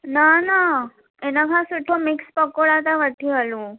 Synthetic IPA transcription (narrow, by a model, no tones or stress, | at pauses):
nana | enakãsuʈʰːomikspəkoɭat̪aʋəʈʰːiɦalũ